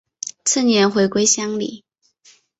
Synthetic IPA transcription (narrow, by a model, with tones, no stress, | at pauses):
t͡s̩ʰ˥˩njɛ˧˥nxwe˧˥ɪkwe˥ɪɕjɑ˥ŋlḭ˨˩˦